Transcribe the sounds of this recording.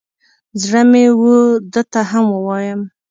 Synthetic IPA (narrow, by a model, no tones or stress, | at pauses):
zɽəmewud̪ət̪aɦamwəwɑjəm